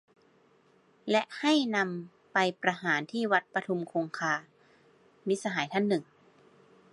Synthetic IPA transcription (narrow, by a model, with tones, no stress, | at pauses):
lɛ˦˥ʔha˥˩jna˧m | pa˧jpɾa˧ɦaː˩˦nt̪ʰiː˥˩wa˦˥t̪̚pa˧t̪ʰu˧mkʰoː˧ŋkʰaː˧ | mi˦˥sa˧ɦaː˩˦jt̪ʰa˥˩nːɯ˨˩ŋ